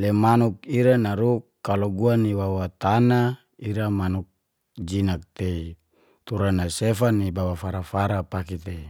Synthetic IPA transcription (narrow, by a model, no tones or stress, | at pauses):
lemanukiɾanaɾukːaloɡuaniwawat̪ana | iɾamanuk̚ | d͡ʒinak̚t̪ei | t̪uɾanasefanibawafaɾafaɾapakit̪ei